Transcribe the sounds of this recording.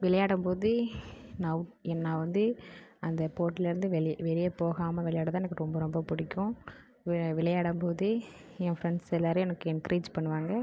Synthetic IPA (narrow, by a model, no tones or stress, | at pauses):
ʋɪlɐjaːɽɐmpoːðɯnɐʊʈɛnːaːʋɐnd̪ɯɐnd̪ɐpoːʈːɪlɪɾɯnd̪ɯʋɛʋɛɾɪjɐpoːɣaːmɐʋɪɭɐjaːɽɐt̪ãːɛnɐkːɯɾɔmbɐɾɔmbɐpʊɽɪkːʊ̃ | ʋɪɭɐjaːɽɐmpoːðɯ | ɛ̃fɾɛɳɖsɛlːaːɾɯɛnɐkːɯɪnkɾʔiːd͡ʒpɐɳːɯʋaːŋɡɐ